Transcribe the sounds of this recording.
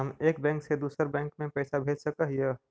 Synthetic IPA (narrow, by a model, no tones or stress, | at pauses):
əmeːkbɛ̃ːŋksed̪uːsəɾbɛ̃ːŋkmẽpɛːsabʱeːd͡ʒsəkəɦjə